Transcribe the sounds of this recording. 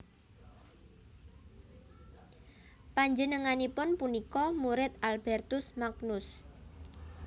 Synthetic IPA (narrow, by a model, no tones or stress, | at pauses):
paɲd͡ʒənəŋanipʊnpunikɔmuɾɪt̪̚alb̥ɛrt̪ʊsmaknʊs